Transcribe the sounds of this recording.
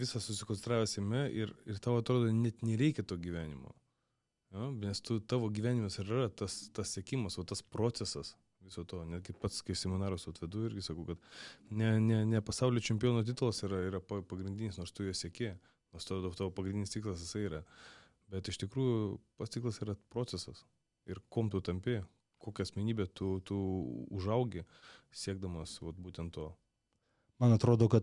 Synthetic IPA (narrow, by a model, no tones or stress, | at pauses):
ʋʲɪsɐsʊsʲɪkonsʲɛnt̪ɾɑːʋʲɛsʲɛɪmʲɛʔɪrɪrt̪ɑːʋoːɐt̪ɾoːd̪oːnʲɛt̪nʲɛɾʲɛɪkʲɛt̪oːɡʲiʋʲæːnʲɪmo̰ | jonʲɛst̪ʊt̪ɑːʋoːɡʲiːʋʲæːnʲɪmɐsɪrrɐt̪ɐst̪ɐssʲɛkʲimɐsoːt̪ɐspɾoːtt͡s̪sʲɛsɐs | ʋʲɪsoːt̪oːnʲɛt̪ɡʲɪpɐt̪skɐɪsʲɛmʲɪnɑːɾost̪oːt̪ʋʲɛd̪uːɪɾʲɡʲɪsɐkɐʊkɐt̪nʲɛnʲɛnʲɛpɐsɑʊlʲeoːt͡ʃʲɛmʲpʲɪjoːnoːt̪ʲit̪ʊlˠɐsiːɾɐiːɾɐpɐpɐɡɾʲɪnʲd̪ʲɪnʲɪsnoːɾst̪ʊjoɔsʲiɛkʲeːj | noɔst̪oːd̪t̪oːpɐɡɾʲɪndʲɪnʲɪst̪ʲiːklˠɐsjɪsɐɪiːɾɐ | bʲɛt̪ɪʃt̪ʲɪkɾuːjʊpɐtst̪ʲiːklˠɐsiːɾɐpɾoːt̪t͡sʲɛsɐs | ɪɾkoːmt̪ʊt̪ɐmʲpʲɪ | koːkʲɛɐsʲmʲɛnʲiːbʲeːt̪ʊt̪ʊʊʒɐʊɡʲɪsʲiɛɡ̚d̪ɐmɐsʋɐt̪buːt̪ʲɛnt̪ːoː | mɐnɐt̪ɾoːd̪oːkɐt̪